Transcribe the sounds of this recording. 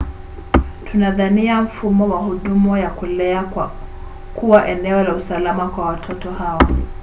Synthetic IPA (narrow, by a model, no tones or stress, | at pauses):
tʰunaðaniaɱ̩fumɔwahuɗumɔjakulɛa | kuwaʔɛnɛɔlausalamakwawatʰɔtɔhawa